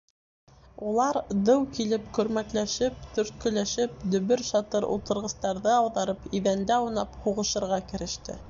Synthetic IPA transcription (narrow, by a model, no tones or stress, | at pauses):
ulˠɑɾd̪ɤwkilɘpkɵ̆ɾmæt̪læʃɘp̚t̪ɵ̆ɾt̪̚kɵ̆læʃɘp̚d̪ɵ̆βɵɾʃɑt̪ɤɾṵlˠt̪ɤ̆ɾʁɤ̆st̪ɑɾðɤɑwðɑɾɤpiðænd̪æunɑphuʁɤ̆ʃɤ̆ɾʁɑkɘ̆ɾɘ̆ʃt̪ɘ̰